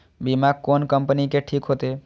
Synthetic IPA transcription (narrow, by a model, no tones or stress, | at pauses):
bimaɡ̚konkəmpənikeʈʰikɦot̪e